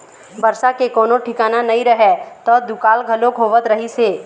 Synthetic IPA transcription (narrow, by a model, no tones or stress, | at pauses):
bɐɾsakekɔːnõʈʰɪkaːnanɐɦĩɾɐɦɛt̪ɔːd̪ʊkaːlɡʱɐlõkʰoːʋət̪ɾɐɦiseː